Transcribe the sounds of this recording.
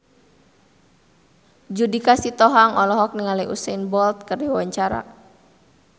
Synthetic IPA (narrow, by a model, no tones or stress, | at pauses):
d͡ʒudikasit̪ɔɦaŋɔlɔɦɔk̚niŋaliʔusɛinbɔlt̪̚kərdiwaɲt͡ʃaɾa̰